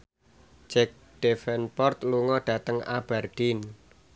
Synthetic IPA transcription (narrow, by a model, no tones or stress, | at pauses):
d͡ʒɛk̚ | ɖ̥ɛfɛnpɔrt̪luŋɔɖ̥ä̤t̪əŋa̰b̥ard̪̥in